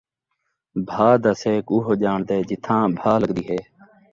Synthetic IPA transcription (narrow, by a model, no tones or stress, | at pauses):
bʱaːd̪əseːkuːɦoːd͡ʒaːɳd̪eːd͡ʒɪt̪ʰːãːbʱaːləɡd̪iːɦeː